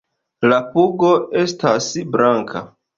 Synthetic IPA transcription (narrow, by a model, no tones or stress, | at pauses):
lapuɡo̞e̞stasbɾaŋkʰa̰